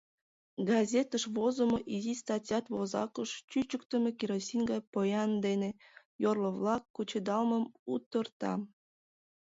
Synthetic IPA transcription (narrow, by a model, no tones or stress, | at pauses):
ɡɑzʲet̪əʃβozə̆moʔizist̪ɑtʲjɑt̪βozɑ̰kəʃt͡ɕyt͡ɕəkt̪əmekiɾosʲinʲɡɑjpojɑnd̪ene | jorləβlɑkːut͡ɕəd̪ɑlməmut̪ərt̪ɑ̰